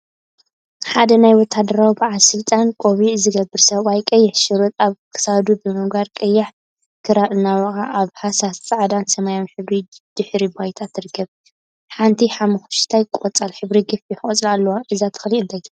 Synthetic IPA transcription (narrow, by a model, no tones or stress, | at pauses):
ħad̪ɐnajwɔt̪ʰːad̪ɐɾawbaʕalsɨlt̪ʼankʼo̞βizɨɡɐbɨɾsɐβajkʼɐjɪħʃɨɾut̪aβkʰɨ̥sad̪ubɨmɨŋɡaɾkʼɨjːaħ | kʰɨɾaʔɨnawɐχʼaʔaβħasassʼaʕd̪ansɐmajomħɨβɾid̪̥ɨħɾibajt̪ʰat̪ʰːɨɾɨkʰːɐβ | ħant̪ʰiħamɨxu̥ʃt̪ʰajkʼɔt͡sʼalħɨβɾiɡɨfjɛxɨʔʼɐt͡sʼlalːɐwaʔɨzat̪ʰɨ̥xliʔɨnt̪ʰɐɡi